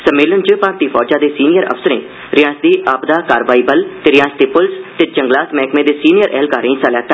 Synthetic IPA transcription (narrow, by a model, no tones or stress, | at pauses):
səmeːlənt͡ʃəpaːɾt̪iːfʰɔːd͡ʒãːd̪eːsiːnijəɾə̰fsəɾḛ̃ː | ɾɪjãːsd̪iːʔaːpd̪aːkaːɾʋaːiːbəlt̪eːɾɪjãːsd̪iːpʊlst̪ed͡ʒəŋɡlaːt̪mɛːkmẽːd̪eːsiːnijəɾʔɛːlkaːɾẽĩːsaːljaːt̪ːa